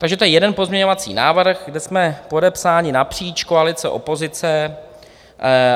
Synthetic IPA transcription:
t̪aɡʒɛt̪ojɛjɛdɛnpo̞zmɲɛɲo̞vat͡sḭːna̰ːvr̩ɣɡdɛsmɛpo̞dɛpsaːɲɪnapr̥iːt͡ʃkoalɪt͡sɛ̰ʔo̞̰po̞zɪt͡sɛ

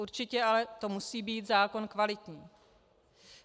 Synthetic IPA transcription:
uɾt͡ʃɪcɛʔalɛt̪o̞musiːbiːt̪zaːko̞nkvalɪt̪ɲiː

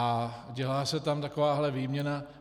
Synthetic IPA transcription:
aɟɛlaːsɛt̪amt̪akovaːɦlɛviːmɲɛna

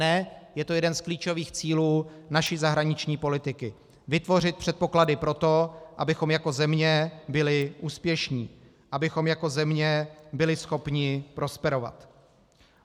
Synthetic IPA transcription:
ɛjɛt̪o̞jɛdɛnskliːt͡ʃo̞viːxt͡siːluːnaʃɪzaɦɾaɲɪt͡ʃɲiːpo̞lɪt̪ɪkɪ | vɪt̪vo̞r̝ɪt̪̚pr̥ɛt̪̚po̞kladɪpɾo̞t̪o̞ʔa̰bɪxo̞mjako̞zɛmɲɛbɪlɪʔuːspjɛʃɲiː | ʔabɪxo̞mjako̞zɛmɲɛbɪlɪsxo̞pɲɪpɾo̞spɛɾo̞va̰t̪

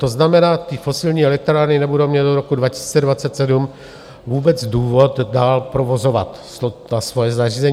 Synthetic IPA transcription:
t̪o̞znamɛnaːt̪iːfo̞sɪlɲiːɛlɛk̚t̪ɾaːɾnɪnɛbudowmɲɛt̪̚doɾo̞kudvacɪ̥si̥ːt͡sɛdvatt͡sɛt̪sɛdum | vuːbɛt͡sduːvo̞t̪daːlpɾovo̞zo̞vat̪ | soasvo̞jɛzariːzɛɲ

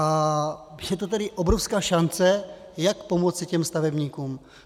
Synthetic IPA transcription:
a | jɛt̪ot̪ɛɾɪʔobɾofskaːʃant͡sɛjakpomot͡sɪcɛmst̪avɛbɲiːkuːm

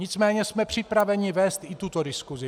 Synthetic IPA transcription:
ɲɪt͡smɛːɲɛsmɛpr̝̥ɪpɾavɛɲɪvɛːst̪ɪt̪ut̪odɪskuzɪ

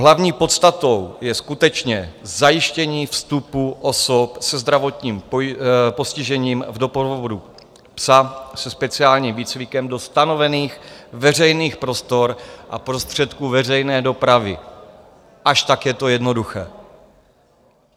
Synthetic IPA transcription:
ɦlavɲiːpo̞t̪st̪at̪o̞wjɛskut̪ɛt͡ʃɲɛzajɪʃcɛɲiːfst̪upuʔo̞sopsɛzd̪ɾavo̞t̪ɲiːm | po̞scɪʒɛɲiːmvdo̞pvovodu | psasɛspɛt͡sɪaːlɲiːmviːt͡svɪkɛmdo̞st̪ano̞vɛniːxvɛr̝ɛjniːxpɾo̞st̪o̞ɾʔa̰pɾo̞st̪r̝̥ɛt̪kuːvɛr̝ɛjnɛːdo̞pɾavɪ | ʔaʃt̪akjɛt̪o̞jɛdno̞duxɛː

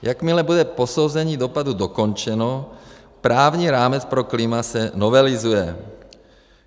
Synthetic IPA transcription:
jakmɪlɛbud̪ɛposowzɛɲiːd̪opad̪ud̪okont͡ʃɛno | pɾaːvɲiːɾaːmɛt͡spɾoklimasɛnovɛlɪzujɛ

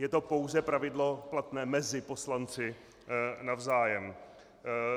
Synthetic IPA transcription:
jɛt̪o̞po̞wzɛpɾavɪdlo̞plat̪nɛːmɛzɪpo̞slant͡sɪ | navzaːjɛm

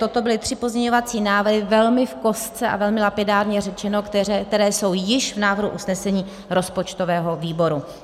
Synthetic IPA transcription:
t̪o̞t̪o̞bɪlɪt̪r̝̥ɪpo̞zɲɛɲo̞vat͡siːnaːvɾɦɪvɛlmɪfko̞st͡sɛʔa̰vɛlmɪlapɪdaːɾɲɛrɛt͡ʃɛno̞kkt̪ɛɾɛːso̞wjɪʃvnaːvr̩ɦuʔusnɛsɛɲiː | ɾo̞spo̞t͡ʃt̪ovɛːɦo̞viːbo̞ɾu

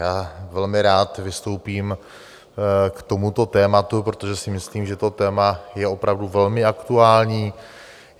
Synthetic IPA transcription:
jaːvɛlmɪɾaːt̪vɪst̪o̞wpiːm | kt̪o̞mut̪o̞t̪ɛːmat̪upɾot̪o̞ʒɛsɪmɪsliːmʒɛt̪o̞t̪ɛːmajɛo̞pɾavduvɛlmɪakt̪uaːlɲiː

